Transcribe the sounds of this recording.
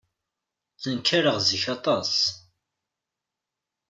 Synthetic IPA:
θənkʰːaɾəʁziçɑt̪ˤɑs

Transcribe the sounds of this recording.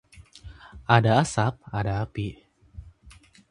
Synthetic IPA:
ʔadaasap̚adaːapi

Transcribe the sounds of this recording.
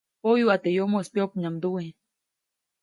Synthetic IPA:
ojuat̪ejomoespjop̚ɲamd̪ue

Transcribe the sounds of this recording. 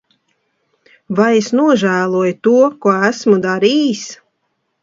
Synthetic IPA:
vajesnuɔʒæːlˠuɔjt̪uɔkuɔæsmud̪aɾiːs

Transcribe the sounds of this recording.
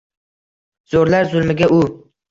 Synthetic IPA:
z̥oɾlaɾzʊlˠmɪɡʲaʔʊ

